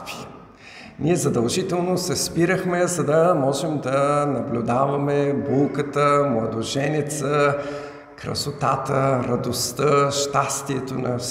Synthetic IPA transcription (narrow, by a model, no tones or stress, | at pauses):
fi | niɛzɐd̪ɐlˠʒit̪ɛlˠnosɛspiɾəxmɛzɐd̪ɐmɔʒɛmd̪ɐnɐblʲud̪avɐmɛbulˠkət̪əmlˠɐd̪oʒɛnɛt̪sə | kɾɐ̰sot̪a̰t̪əɾɐd̪ost̪əʃt̪ast̪iɛt̪onɐf